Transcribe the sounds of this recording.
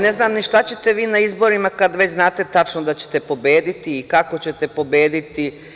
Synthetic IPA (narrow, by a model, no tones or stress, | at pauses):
ne̞znaːmniʃt̪at͡ɕe̞t̪e̞ʋiːnaizbo̞ɾimakad̪ʋe̞t͡ɕznaːt̪e̞t̪at͡ʃnod̪at͡ɕe̥t̪e̞po̞beːd̪it̪iːkako̞t͡ɕe̞t̪epo̞beːd̪it̪i